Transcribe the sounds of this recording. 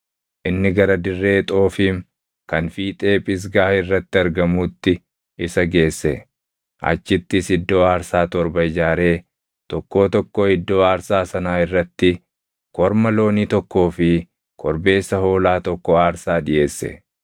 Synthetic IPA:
ʔɪnːɪɡɐɾɐd̪ɪrːe̞ːt̪ʼo̞ːfiːŋ | kɐnfiːt̪ʼe̞ːpʼɪs̬ɡaːɪrːɐt̪ːɪɐɾɡɐmuːt̪ːɪ | ɪsɐɡe̞ːsːɛ̰ | ʔɐ̰t͡ʃːɪt̪ːɪsɪd̪ːo̞ːaːɾsaːt̪ɔɾbɐɪd͡ʒaːɾe̞ː | t̪ɔkːo̞ːt̪ɔkːɔɪd̪ːo̞ːaːɾsaːsɐnaːɪrːɐt̪ːɪ | kɔɾmɐlo̞ːniːt̪ɔkːo̞ːfɪ | kɔɾbe̞ːsːɐɦo̞ːlaːt̪ɔkːɔaːɾsaːᶑɪʔe̞ːsːɛ̰

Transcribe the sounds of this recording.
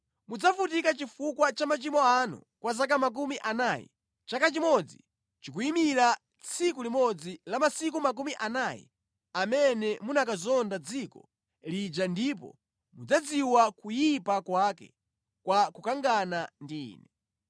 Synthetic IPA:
mud͡zafutikat͡ʃifukwat͡ʃamat͡ʃimɔanṵ | kwas̬ak̬amak̬umiʔanajɛ̰ | t͡ʃakat͡ʃimɔd͡zi | t͡ʃik̬uimiɾa | t͡sʰikulimɔd͡zilamasik̬umak̬umiʔanajɛ̰ | amɛnɛmunakazɔndad͡zikɔ | lid͡ʒandipɔ̰ | mud͡zad͡ziwakujipakwakɛ̰ | kwakukaŋɡanandḭːnɛ

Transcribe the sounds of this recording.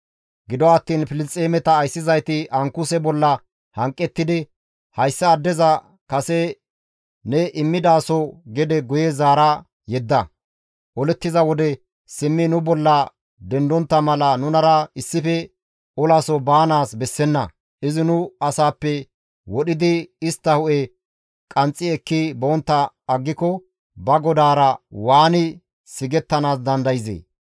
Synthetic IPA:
ɡɪd̪ɔːt̪ːiːnfɪlɪt͡sʼːeːmɛt̪ɐːjsːɪzɐjt̪ɪʔɐŋkʊsɛbɔlːɐ | hɐŋkʼːɛt̪ːɪd̪ɪ | hɐjsːɐːd̪ːɛzɐ | kɐsɛ | nɛʔɪmːɪd̪aːsɔɡɛd̪ɛɡʊjɛzaːɾɐ | jɛd̪ːɐ | ʔɔlɛt̪ːɪzɐwɔd̪ɛ | sɪmːɪnʊbɔlːɐ | d̪ɛnd̪ɔnt̪ːɐmɐlɐnʊnɐɾɐɪsːɪfɛ | ʔɔlasɔbaːnaːsbɛsːɛnːɐ | ʔɪzɪnʊɐsaːpːɛ | wɔɗɪd̪ɪɪst̪ːɐhʊʔɛ | kʼɐnt͡sʼːɪɛkːɪbɔɔnt̪ːɐ | ɐɡːɪkɔ | bɐɡɔd̪aːɾɐwaːnɪ | sɪɡɛt̪ːɐnaːs̬d̪ɐnd̪ɐjɪzḛː

